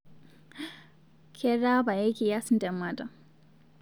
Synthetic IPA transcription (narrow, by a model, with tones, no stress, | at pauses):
kʰɛ˦ɾa˦ba˨je˦kʲi˨ja˦si˦ndɛ˨ma˨ta˨